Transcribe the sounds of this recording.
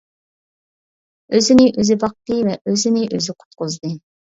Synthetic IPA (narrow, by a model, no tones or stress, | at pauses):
øzɪnɪʔøzɪbɑq̚t̪ɨvɛʔøzɪnɪʔøzɪqʰʊ̥t̪̚qʊzd̪ɨ